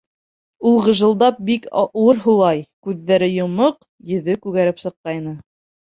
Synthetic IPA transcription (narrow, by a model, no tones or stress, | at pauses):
ulˠʁɤ̆ʒɤ̆lˠd̪ɑp̚bikwɤɾɦulˠɑjkʉðːæɾɘjŏmɤq | jɵ̆ðɵkʉɣæɾɘpsɤ̆qːɑjnɤ